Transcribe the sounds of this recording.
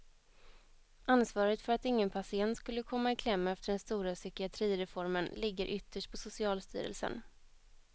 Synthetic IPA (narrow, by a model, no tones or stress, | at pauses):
ansvɑːɾət̪fœɾat̪ɪŋːənpʰasɪɛnt̪skɵlːəkʰɔmːaɪkʰlɛmːaɛft̪əɖɛnst̪uːɾasʏkɪat̪ʰɾiːɾɛfɔɾmənlɪɡːəɾʔʏt̪ːəʂʈ̚pʰɔsʊsɪɑːlst̪y̰ːɾə̰lsə̰n